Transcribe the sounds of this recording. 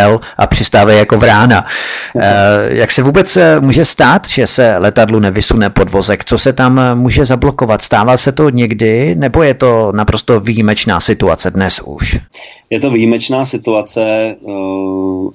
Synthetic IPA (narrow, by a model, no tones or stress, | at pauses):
ɛlʔa̰pr̝̥ɪst̪aːvɛjjakovɾaːna̰ | jaksɛvuːbɛt͡smuːʒɛst̪aːt̪ʒ̥ɛsɛlɛt̪adlunɛvɪsunɛpo̞dvo̞zɛkt͡sosɛt̪amːuːʒɛzablo̞ko̞vat̪st̪aːvaːsɛt̪o̞ɲɛɡdɪnɛbo̞jɛt̪o̞napɾo̞st̪o̞vijimɛt͡ʃna̰ːsɪt̪ua̰t͡sɛdnɛsṵʃ | jɛt̪ovijimɛt͡ʃnaːsɪt̪uat͡sɛ